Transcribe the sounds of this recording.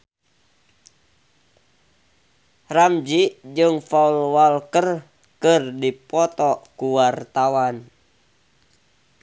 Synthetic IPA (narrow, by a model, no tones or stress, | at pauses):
ramd͡ʒid͡ʒɨŋfaulwalkər | kɨrdipɔt̪ɔkuwart̪awan